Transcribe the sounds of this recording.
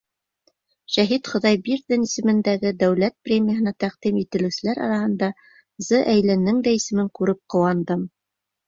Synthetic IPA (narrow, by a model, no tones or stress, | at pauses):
ʃæɦit̪χŏðɑjbiɾðɘnisɘ̆mɘ̆nd̪æɡɘd̪æwlæt̪̚prʲemʲijəɦɤ̆nɑt̪æqd̪̥imit̪ɘ̆lɘ̆sɘ̆læɾɑ̰ɾɑhɤ̆nd̪ɑ | zɤʔæjlænɘŋd̪æisɘ̆mɘŋkʉɾɘp̚qŏwɑnd̪ɤm